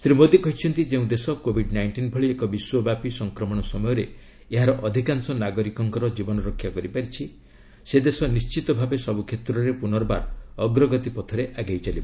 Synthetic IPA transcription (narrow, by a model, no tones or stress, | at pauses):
sɾimod̪ikɔɦit͡ʃʰɔnt̪id͡ʒeũd̪esɔkobʱiɖnajɳʈinbʱɔɭiekɔbiswɔbjapisɔŋkɾɔmɔɽ̃ɔsɔmɔjɔɾe | eɦaɾɔʔɔd̪ʱikansɔnaɡɔɾikɔŋkɔɾɔd͡ʒibɔnɔɾɔkʰːjakɔɾipaɾit͡ʃʰi | sed̪esɔnist͡ʃit̪ɔbʱabesɔbukʰet̪ɾɔɾepunɔɾba̰ɾɔɡɾɔɡɔt̪ipɔt̪ʰɔɾeʔaɡajt͡ʃaliba